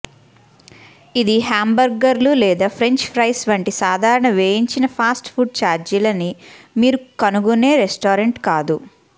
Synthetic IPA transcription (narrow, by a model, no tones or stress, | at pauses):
id̪iɦaːmbɐɾɡɐɾlulɛːd̪aːpʰɾe̞ɲt͡ʃpʰɾɐjsʋɐɳʈisaːd̪ʱaːɾɐɳɐʋeːjiɲt͡ʃinɐpʰaːsʈpʰuɖ̚t͡ʃaːɾd͡ʒilɐnimiːɾukɐnuɡune̞ːɾesʈoːɾeɳʈkaːd̪u